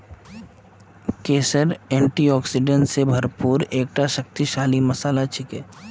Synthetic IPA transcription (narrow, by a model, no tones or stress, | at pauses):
keːsəɾɛ̃ːɳʈiɔːksɪɖẽɳʈsebʱɐɾpuːɾeːk̚ʈaʃək̚t̪iʃaːlimɐsaːlat͡ʃʰɪkeː